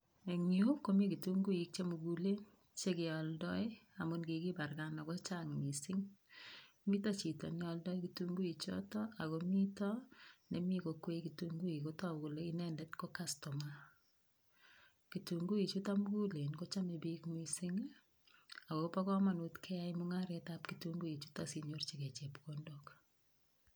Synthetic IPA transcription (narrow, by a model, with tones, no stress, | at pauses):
e˨ŋju˦ko˦mi˦ki˨tu˦ŋɡu˦i˦k̚t͡ʃe˦mu˨ɡu˨le˦n | t͡ʃe˦kɪ˨ɔ˨ldɔ˦ja˨mu˦nki˨ki˦ba˨rɡa˦nɔ˨ko˦t͡ʃaŋmi˨sɪ˦ŋ | mi˦tɔ˦t͡ʃi˨tɔ̰˨nɛ˦ɔ˧ldɔ˦i˦kitu˦ŋɡu˦i˨t͡ʃɔ̰˦tɔ˦ʔa˨ko˨mi˦tɔ˦ne˨mi˦kokwe˦kituŋɡu˦i˨ko˦ta˦wko˨le˦i˦nɛndɛ˦tko˦kastɔ˨ma | kituŋɡu˦i˨t͡ʃu˦ta˦m˦ɡu˦le˨nko˦t͡ʃa˦me˨bi˦kmisɪ˦ŋ | a˨ko˨pa˦kɔ˦ma˨nu˦tkʰɛ˦ja˦imuŋa˦ɾetap̚kituŋɡu˦i˨t͡ʃu˦tasi˨ɲort͡ʃi˨ke˨t͡ʃe˨pko˦ndok